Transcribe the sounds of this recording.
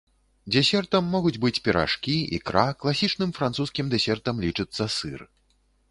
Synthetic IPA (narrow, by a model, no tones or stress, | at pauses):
d͡zʲɛsʲɛrt̪ɐmːɔɣud͡zʲbɨt͡sʲpʲɛɾa̰ʂkʲiḭkɾaklˠasʲit͡ʂnɨmfɾansuskʲimd̪ɛsʲɛrt̪ɐmlʲit͡ʂɨt̪sːɐsɨr